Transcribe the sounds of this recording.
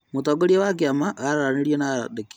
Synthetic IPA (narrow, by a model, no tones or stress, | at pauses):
motoːɡoɾiawak̬iamaɣaɾaɾaneɾienaadeki̥